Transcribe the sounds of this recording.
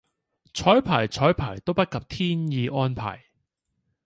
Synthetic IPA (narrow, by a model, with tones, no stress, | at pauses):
t͡ʃʰɔː˨˥jpʰaː˨˩jt͡ʃʰɔː˨˥jpʰaː˨˩jt̪o˥wpɐ˥t̚kɐ˨p̚t̪ʰiː˥njiː˨˧ʔɔː˥npʰa̰ː˨˩j